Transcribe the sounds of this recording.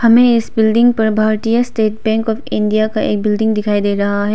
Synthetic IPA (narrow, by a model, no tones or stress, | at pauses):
hɐmẽɪsbɪlɖɪ̃ŋɡ̚pɐɾbʱaːɾʈ̪ijasʈeːʈ̚bɛ̃ːŋkɔːfɪ̃ɳɖijakaʔḛːk̚bɪlɖɪ̃ŋɡd̪ɪkʰaːid̪eːɾɐɦaɦɛː